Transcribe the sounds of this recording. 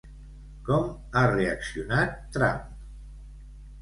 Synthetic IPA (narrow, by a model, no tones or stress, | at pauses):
kɔm | areəksiunat̪ːɾa̰m